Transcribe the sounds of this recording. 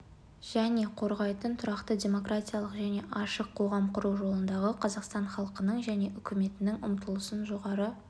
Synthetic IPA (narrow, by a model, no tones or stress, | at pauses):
ʒ̥æne̞qʰo̞ɾʁɑjt̪ənt̪ʰʊɾɑqt̪ədʲe̞mo̞kratʲijɑlˠəqʒæne̞ʔɑʃəqʰːo̞ʁɑmqʰʊɾuwʒo̞lˠənd̪ɑʁəqʰɑzɑqst̪ɑnχɑlˠqənəɴʒæne̞ʔʏkʲʰɪme̞t̪ɪnɪŋʊmt̪əlˠəsənʒo̞ʁɑɾə